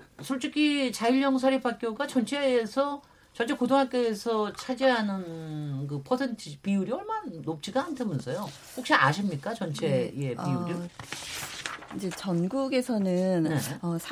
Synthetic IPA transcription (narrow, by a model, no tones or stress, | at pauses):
sʰoɭt͡ɕ͈ikʰit͡ɕaiʎːjʌŋsʰaɾipʰak͈joɡat͡ɕʌnt͡ɕʰe̞ːsʰʌ | t͡ɕʌnt͡ɕʰe̞kodoŋɦak͈eːsʰʌt͡ɕʰad͡ʑiɦanɯnkɯpʰʌsʰentʰipiuɾiʌɭmanop̚t͡ɕ͈ʰiɡahantʰemunsʰʌjo | ɸok̚ɕ͈ia̰ɕʰimɲik͈at͡ɕʌnt͡ɕʰe̞je̞piuɾi | id͡ʑe̞t͡ɕʌnɡuɡe̞sʰʌnɯnne̞ʌsʰ